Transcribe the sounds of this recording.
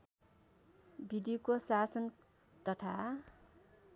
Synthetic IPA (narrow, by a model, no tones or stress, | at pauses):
bid̪ijokosasʌn | t̪ʌt̪ʰa